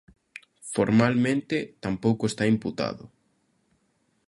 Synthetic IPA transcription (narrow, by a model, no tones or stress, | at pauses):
foɾmalmẽnt̪et̪ampowkoest̪aimput̪a̰ðʊ